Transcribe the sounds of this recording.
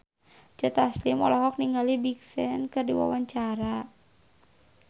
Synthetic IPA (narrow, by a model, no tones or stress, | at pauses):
t͡ʃət̪aslimɔ̰laɦɔk̚niŋɡalibiksɛnkɨrdiwa̰waɲt͡ʃaɾa